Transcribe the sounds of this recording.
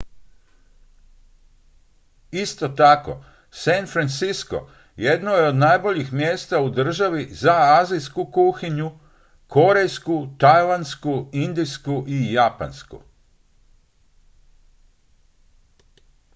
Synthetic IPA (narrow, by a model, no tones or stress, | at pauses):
ist̪o̞t̪ako̞̰ | sanfɾant̪sisko̞̰ | je̞d̪nojeo̞d̪najbo̞ʎixmjeːst̪aud̪r̩ʒaʋizaaːzijskukuxiɲu | kʰo̞ɾe̞jskut̪ajland̪skuind̪iskuʔijapa̰nskṵ